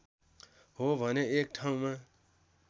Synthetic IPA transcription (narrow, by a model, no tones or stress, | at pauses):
ɦobʱʌneek̚ʈʰaũmã